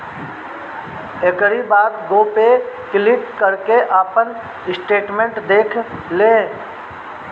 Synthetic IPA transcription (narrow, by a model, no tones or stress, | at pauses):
ekəɾibaːd̪ɡoːpekɪlɪʈkəɾkeʔaːpən | ɪsʈeːʈmẽɳʈd̪eːkʰlẽː